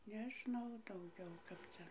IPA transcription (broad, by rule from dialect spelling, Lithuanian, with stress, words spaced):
nʲɛˈʒnɐʊ dɐʊˈɡʲɛʊ ˈkɐp t͡sʲɛ